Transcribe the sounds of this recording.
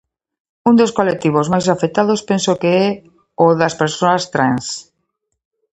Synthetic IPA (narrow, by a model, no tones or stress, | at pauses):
und̪oskolek̚t̪iβ̞ozmajs̬afek̚t̪aðospẽnsokeɛ | ʊðɐspeɾsoast̪ɾans